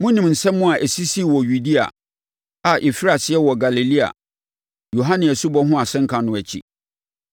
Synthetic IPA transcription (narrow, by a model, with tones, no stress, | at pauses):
mʊ̃˦nĩ˨mn̩˨sɛ̃˦mː˦ʊ̃˦a˨ʔæ˨si˦si˦˨wɔ˨ju˨di˦a̰˨ | a˨ʔi˨fi˦ɾa˨sɪ˦ɛ˦wɔ˨ɡa˨li˨li˦a̰˨ | jo˨ɦã˦nɪ̃˨ɛ˨su˦bɔ˦ɦʊ̃˦a˨sɛ̃˦ŋ̩˦kʰã˨nʊ̃˨˦æ˨t͡ɕʰḭ˦˨